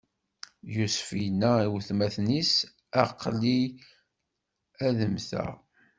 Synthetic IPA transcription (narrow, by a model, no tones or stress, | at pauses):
jusfinæiwθmæθnis | æqːli | æðəmθæ̰